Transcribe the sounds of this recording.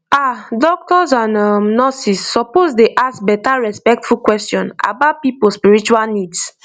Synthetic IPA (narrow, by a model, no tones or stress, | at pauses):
adɔk̚tɔzãnamnɔsisːɔpozdeʔaskbɛtaɹɛspɛk̚tfukwɛstjɔ̃na̰baʊtpipospiɹit͡ʃualnids